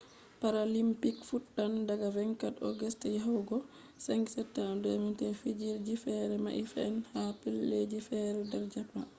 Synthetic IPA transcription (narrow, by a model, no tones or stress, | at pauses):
paɾalimpikfutːandaɡavɛŋkatɔ̰ɡɛstɛjaɦawɡɔ | sɛŋɡsɛtːadɛmintɛfid͡ʒiɾd͡ʒifɛɾɛma̰ʔifɛɛnhapilːed͡ʒifɛɾɛdɛɾd͡ʒapːa̰